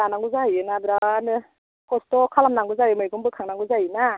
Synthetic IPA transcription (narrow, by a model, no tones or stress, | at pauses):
anaŋɡuzajɯnabɯɾaanɯ | kʰɔstɔkʰalamnaŋɡɯzajɯmɯjɡumbɯkʰaŋnaŋɡuzajɯna